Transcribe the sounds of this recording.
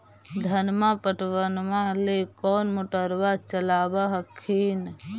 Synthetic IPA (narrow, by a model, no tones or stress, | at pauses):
d̪ʱənmapəʈwənmãlekɔːnmʊʈəɾwat͡ʃəlaːbaɦəkʰːiːn